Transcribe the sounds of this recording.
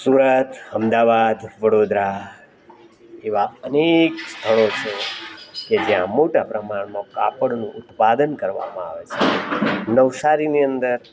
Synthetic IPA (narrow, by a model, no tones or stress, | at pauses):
suɾət̪əmd̪aʋad̪ʋəɽod̪ɾa | eʋaənekst̪ʰəɭ̃ot͡ʃʰeked͡ʒjã̰moʈapɾəmaɳmãka̰pəɽnũʔʊt̪pad̪ənkəɾʋa̰mã̰a̰ʋet͡ʃʰḛnəʋsaɾiniənd̪əɾ